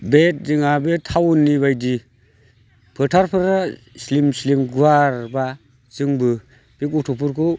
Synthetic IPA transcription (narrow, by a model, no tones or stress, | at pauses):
bet̚zɯŋabetʰawnːibajdi | pʰɯtʰaɾpʰɯɾa | slimslimɡuaɾba | zɯŋbɯ | b̥ikutʰɔpʰuɾku